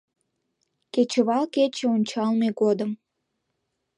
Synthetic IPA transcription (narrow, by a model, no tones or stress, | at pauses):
ket͡ɕəβɑlket͡ɕĕonʲt͡ɕɑlmeɣod̪əm